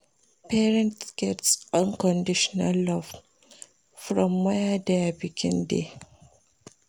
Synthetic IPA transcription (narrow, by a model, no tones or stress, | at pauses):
pɛɹɛ̃ntsɡ̥ɛtsʔɔ̃nkɔ̃ndiʃɔnalːɔv | fɹɔ̃mːɛjadeabiɡḭ̃ndḛ